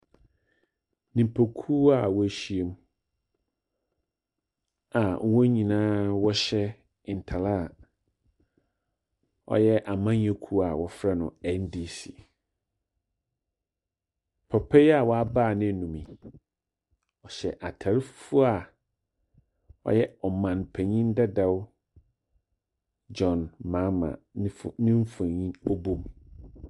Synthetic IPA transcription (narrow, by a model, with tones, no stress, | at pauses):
nĩ˨pʰo˨kʰu˦a˨wɔ˦æ˨ɕi˦e˦m | a˨˦wɔ̃˦ɲĩ˨nãː˦wɔ˦ɕɛ˦˨ | n̩˨tʰa˨la˦˨ | ɔ̰˦jɛ˦ʔa˨mã˦ɲ˦ɛ̃˦kʰu˦a˨wɔ˨fɾɛ˦nʊ̰̃˨ɛ˦ndi˨si˨ | pʰɔ˨pʰɛ˦ja˨wɔ˨˦a˦baː˦˨nɪ̃˦˨nũ˨mĩ˨ | ɔ˨ɕɛ˨ʔa˨tʰa˨ɾɪ˦ffʊ˦a˨ | ɔ̰˦jɛ˦ɔ˨mã˨npʰɛ̃˨ɲĩ˦n̩˦dɛ˦da˦w | d͡ʒɔ̃˨nmã˨˦mã̰˨˦˨nɪ̃˦ɱ̩˦fa˨ɲĩ˦ɔ˦bo˦˨m